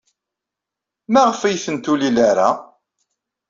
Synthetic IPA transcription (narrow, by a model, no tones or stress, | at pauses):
mæʁəfæjθənt̪ulilaɾa